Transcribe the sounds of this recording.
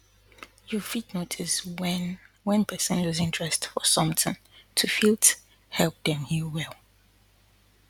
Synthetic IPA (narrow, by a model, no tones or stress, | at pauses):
jufidnotʰɪswɛn | wɛ̃npʰɜsə̃nɔzɪ̃ntɹ̥ɛstfɔsʌ̃mtɪ̃n | tʰufilˠt | hɛlˠp̚ðɛ̃mhiwɛlˠ